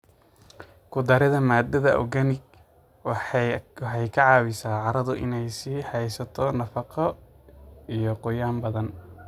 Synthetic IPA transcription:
kʰʊd̪ɐɾɪðɐmaːd̪ɐðɐʔɔ̰ɡɐnɪɡ | w | ħɛjkʰɐʕɑːwɪsaːʕɑɾɐðʊʔɪ̰nɛjsiːhɛjsɐt̪ʰɔnɐfɑqɔ | ijɞqʊjaːmbɐðɐn

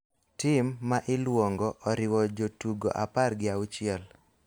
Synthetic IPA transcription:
tɪmːaʔɪlwɔŋɡɔʔɔɾɪwɔd͡ʒotuɡo̰ʔa̰parɡɪaʊt͡ʃɪɛl

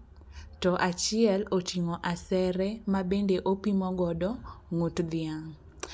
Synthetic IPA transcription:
tɔʔat͡ʃɪɛlotiŋɔʔasɛɾɛmabendeʔopimɔɡɔdɔŋutd̪ɪaŋ

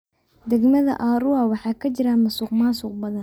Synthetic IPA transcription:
d̪ɛɡmɐðɐ̰ʔaːɾʊɐwɑħɑːkʰɐt͡ʃɪɾaːmɐsuːqmaːsuːq̚bɐðɐn

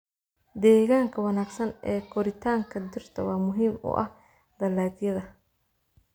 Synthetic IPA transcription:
d̪ɛːɣaːŋkʰɐwɐnaːɡsɐnɛːkʰɔɾɪt̪ʰaːŋkʰɐd̪ɪrt̪ʰɐwɑːmʊɦiːmʊ̰ʔɐ̰h | d̪ɐlaːd̪jɐðɐ

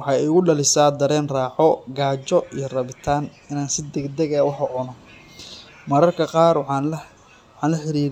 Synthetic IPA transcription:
ɑħɑːjɪɣʊɖɐlɪsaːd̪ɐɾɛːnraːħɔɡaːt͡ʃɔʔijɞrɐβɪt̪ʰaːn | ɪnaːnsɪd̪ɛɡd̪ɛɣawɑħɔʕʊnɐ | mɐɾɐrkʰɐqɑːr | wħɑːnlɐħɪɾiːɾ

